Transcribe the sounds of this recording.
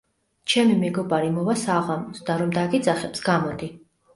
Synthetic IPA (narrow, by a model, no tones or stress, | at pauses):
t͡ʃʰɛmimɛɡɔbaɾimɔvasaʁamɔsd̪aɾɔmd̪aɡid̪zaχɛpsɡ̥amɔd̪i